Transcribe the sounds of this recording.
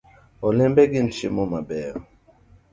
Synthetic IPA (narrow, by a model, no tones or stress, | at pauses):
ɔlɛmbɛɡin̩t͡ʃimɔmabɛɔ